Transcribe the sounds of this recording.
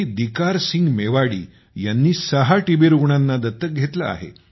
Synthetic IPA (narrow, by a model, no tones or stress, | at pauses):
id̪ikaɾsiŋɡmeʋaɽḭː | janːiːsəɦaʈibeɾuɡɳanːad̪ət̪ːək̚ɡʱet̪la̰a̰ɦḛ